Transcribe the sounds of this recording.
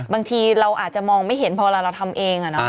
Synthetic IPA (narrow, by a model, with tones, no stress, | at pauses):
baː˧ŋt̪ʰiː˧ɾa˧wʔaː˨˩t̪̚t͡ɕa˨˩mɔː˧ŋma˥˩jɦe˩˦npʰɔː˧laː˧˩ɾa˧wt̪ʰa˧mʔeː˧ŋʔa˨˩nɔ˦˥